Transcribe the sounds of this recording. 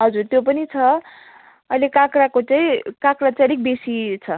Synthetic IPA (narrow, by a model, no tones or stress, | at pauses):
ɦʌd͡zurt̪jop̬ʌnit͡sʰʌ | ʌjlekãkɾakot͡saĩkãkɾat͡salik̚besit͡sʰʌ